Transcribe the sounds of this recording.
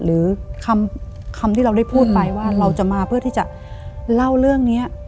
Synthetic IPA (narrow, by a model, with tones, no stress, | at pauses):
ɾɯː˩˦kʰa˧m | kʰa˧mt̪ʰiː˥˩ɾa˧wda˥˩jpʰuː˥˩t̪̚pa˧jwaː˥˩ɾa˧wt͡ɕa˨˩maː˧pʰɯ˥˩t̪ʰiː˥˩t͡ɕa˨˩ʔ | la˥˩wɾɯ˥˩əŋni˦˥ɐʔ